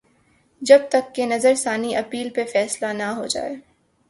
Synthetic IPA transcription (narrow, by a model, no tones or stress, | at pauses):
d͡ʒɐb̚t̪ɐkːenɐzəɾsaːniʔɐpiːlpefɛːslanaɦod͡ʒa̰ːḛː